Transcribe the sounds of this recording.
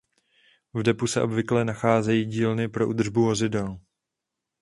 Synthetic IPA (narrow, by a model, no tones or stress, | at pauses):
vdɛpusɛʔo̞bvɪklɛnaxaːzɛjiːɟiːlnɪpɾo̞ʔud̪r̩ʒbuvo̞zɪdɛl